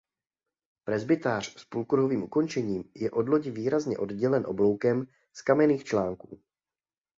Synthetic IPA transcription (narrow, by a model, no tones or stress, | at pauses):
pɾɛzbɪt̪aːr̝̥spulkɾ̩ɦo̞viːmʔuko̞nt͡ʃɛɲiːmjɛʔo̞dlo̞ɟɪviːɾazɲɛʔo̞dɟɛlɛnʔoblo̞wkɛm | skamɛniːxt͡ʃlaːŋkuː